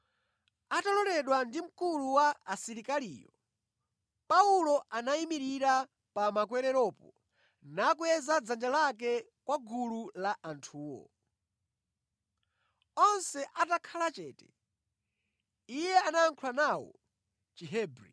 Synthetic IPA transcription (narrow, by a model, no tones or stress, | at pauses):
atalɔlɛɗwandim̩kuluwaːsiɾikalḭːjɔ | paulɔʔanaimiɾiɾa | pamakwɛɾɛɾɔːpɔ | nakuɛzad͡zand͡ʒalak̬ɛ | kwaɡululaʔantʰuːwɔ̰ | ɔnsɛʔatakʰalat͡ʃɛːtɛ̥ | ijɛanaːŋkʰulanawɔ̰ | t͡ʃiɦɛːbɾi